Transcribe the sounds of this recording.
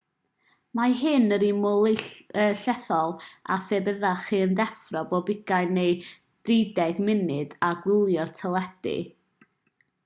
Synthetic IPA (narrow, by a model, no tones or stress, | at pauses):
maɦɨnəɾimʊlˠɪəɬɛθɔlˠa̰febəðaχiəndɛfrɔbɔbɪɡ̥ajnej | d̥ridɛɡmɪnɨdaɡwɪlˠjɔrtʰəlˠɛd̥ɪ̰